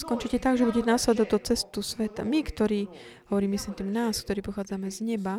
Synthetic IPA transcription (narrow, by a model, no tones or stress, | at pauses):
skɔnt͡ʃicɛt̪aɡʒɛbuɟɛɛnaslɛd̪ɔd̪ɔt͡sɛst̪usʋɛt̪a̰mikt̪ɔɾiː | ɦɔʋɔɾiːmisɛmt̪iːmnaːsk̚t̪ɔɾiːpɔxaːd͡zamɛzɲɛba